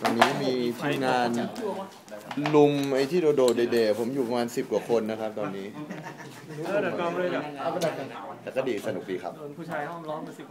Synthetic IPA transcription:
t̪ɔː˧nːiː˦˥miː˧t̪ʰiː˧mŋaː˧n | lu˧mʔa˧jt̪ʰiː˥˩doː˧doː˧˩deː˧deː˧˩pʰo˩˦mjuː˨˩pa˧maː˧nsi˨˩p̚ku˨˩kʰo˧nːa˦˥kʰa˦˥p̚t̪ɔː˧nːiː˦˥˦ | a˧˩˧t̪ɛː˨˩kɔː˥˩diː˧˩sa˧nu˨˩k̚diː˧kʰa˦˥p̚ʰu˥˩aː˧˥˨

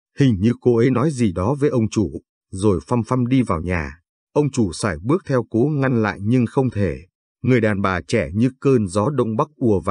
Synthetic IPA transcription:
hï˨˩ŋ̟ɲɨ˧ko˧ʔə˨˦jnɔ˨˦jzi˨˩ɗɔ˨˦vəː˨˦jʔə˧wŋ͡mt͡ɕu˧˩ | zo˨˩jfa˧mfa˧mɗi˧vaː˨˩wɲaː˨˩ | ʔə˧wŋ͡mt͡ɕu˧˩saː˧˩jɓɨ˦˥ək̚t̪ʰɛ˧wko˨˦ŋa˧nla̰ː˧˨jɲɨ˧ŋxə˧wŋ͡mt̪ʰe˧˩ | ŋɨ˨˩əjɗaː˨˩nɓaː˨˩t͡ɕɛ˧˩ɲɨ˧kəː˧nzɔ˨˦ɗə̰˧˨wŋ͡mɓa˦˥k̚ʔu˧˩əva˨˩

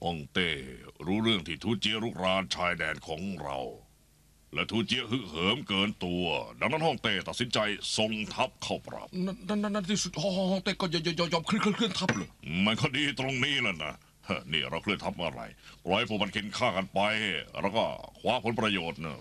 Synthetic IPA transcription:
hɔ˥˩ŋt̪eː˧˩ɾuː˦˥ɾɯ˥˩əŋt̪ʰiː˥˩t̪ʰuː˧˥˩t͡ɕi˦˥əɾuː˧˥˩k̚ɾaː˧nt͡ɕʰaː˧jdɛː˧nkʰɔ̰ː˩˦ŋɾa̰˧w | lɛ˦˥˩t̪ʰuː˧˥t͡ɕi˧˦˥əɦɯ˦˥hɤː˨˦mkɤː˧nt̪u˧ɐda˧ŋna˥˩nhɔ˥˩ŋt̪eː˥˩t̪a˨t̪̚si˨˦nt͡ɕa˧jso˧ŋt̪ʰa˦˥p̚kʰa˥˩wpɾa̰˨˩p̚naː˧˥a˥˩nːa˧˥nːa˥nt̪ʰiː˥˩su˨˩t̪̚hɔː˧˩hɔː˥˩hɔ˥˩ŋt̪eː˥˩kɔː˥˩ja˧˩jɔː˧˩jɔː˧˩jɔː˧˩mkʰɯ˥˧˨kʰɯ˥˩ənkʰɯ˥˩nt̪ʰa˦˥p̚lɤː˧˩jma˧˩nkʰɔː˥˩diː˧t̪ɾo˧ŋniː˦˥˩laː˧˩na̰˧˩ | ʔa˧˩niː˧˥˩ɾa˧wʰkʰɯ˥˩ənt̪ʰa˦˥p̚ʔa̰˧˩ɾa̰˧˩jpɾɔː˧˩jha˧jpʰuː˧˩ma˧nkʰe˧nkʰaː˥˩ka˧npa˧jɾʔa̰˧wkɔː˥˩kʰwaː˦˥pʰo˨˦npɾa˧joː˨˩t̪̚na̰˧˥˩

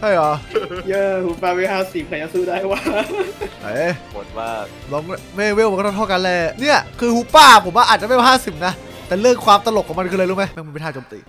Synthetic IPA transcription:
hʰa˥˩jɔ˨˧˦jəː˧huː˧˦paː˧˩we˧haː˥˩siː˨˩p̚kʰa˧jaː˧suː˧˥˩daː˥˩jwaː˥˩ | a̰˨˦mo˨˩t̪̚maː˥˩k̚nɔː˨˦˥ŋmeː˥˩weː˧˥˩a˧k̪ːʰt̪ʰːka˧nlɛː˧˩ni˥˩ɐkʰɯː˧huː˧˦paː˥˩pʰo˩˦mwaː˥˩ʔaː˨˩t̪̚t͡ɕa˨ma˥˩wa˧˩ɦaː˥˩si˨˩p̚na˦˥ | t̪ɛː˨˩lɯ˥˩əŋkʰwaː˧mt̪a˧lo˨˩kʰːɔ˨˦ma˧nkʰɯː˧lɤː˧jɾuː˦˥˩ma˦˥jma˥˩mː˧t̪ʰaː˧˥˩t͡ɕoː˧mt̪ḭː˨˩

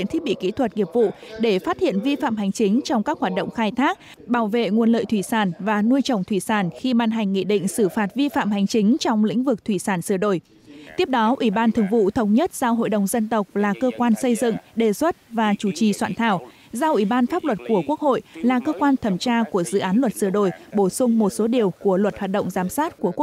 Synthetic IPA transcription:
ḭ˧˨nt̪ʰi˦˥k̚ɓḭ˧˨kḭ˧˥t̪ʰwə˨˩t̚ŋi˨˩əp̚vṵ˧˨ɗe˧˩faː˦˥t̚hḭ˧˨ənvi˧fa̰ː˧˨mɦa˨˩jŋ̟t͡ɕi˨˦ŋ̟t͡ɕɔ˧wŋ͡mkaː˦˥k̚hwaː˨˩t̚ɗo̰˧˨wŋ͡mxaː˧jt̪ʰaː˦˥k̚ | ɓaː˧˩wvḛ˧˨ŋu˨˩ənlə̰ː˧˨jt̪ʰwi˧˩saː˧˩nvaː˨˩nu˧jt͡ɕə˨˩wŋ͡mt̪ʰwi˧˩saː˧˩nxi˧ɓaː˧nɦa˨˩ŋ̟ːḭ˧˨ɗḭ̈˧˨ŋ̟sɨ˧˩faː˨˩t̚vi˧fa̰ː˧˨mɦa˨˩jŋ̟t͡ɕi˨˦ŋ̟t͡ɕɔ˧wŋ͡mlḭ̈˧˥ŋ̟vɨ˨˩k̚t̪ʰwi˧˩saː˧˩nsɨ˧˩əɗo̰˧˨˩j | t̪i˦˥əp̚ɗɔ˨˦ʔwi˧˩ɓaː˧nt̪ʰɨ˨˩əŋvṵ˧˨t̪ʰə˨˦wŋ͡mɲə˦˥t̚z̥a˧wɦo̰˧˨jɗə˨˩wŋ͡mzə˧nt̪ə˨˩wk͡p̚laː˨˩kəː˧kwaː˧nsə˧jzɨ̰˧˨ŋɗe˨˩swə˦˥t̚vaː˨˩t͡ɕu˧˩t͡ɕi˨˩swaː˧˨nt̪ʰaː˧˩w | za˧ʔwi˧˩ɓaː˧nfaː˦˥p̚lwə˨˩t̚ku˧˩əku˦˥ək̚ho̰˧˨jlaː˨˩kəː˧kwaː˧nt̪ʰə˨˧˩mt͡ɕaː˧ku˧˩əzɨ̰˧˨ʔaː˨˦nlwə˨˩t̚sɨ˧˩əɗo̰˧˨jɓo˧˩sʊ˧ŋ͡mmo˨˩t̚so˨˦ɗi˨˩əwku˧˩əlwə˨˩t̚hwaː˨˩t̚ɗə̰˧˨wŋ͡mzaː˨˦msaː˦˥t̚ku˧˩əku˦˥

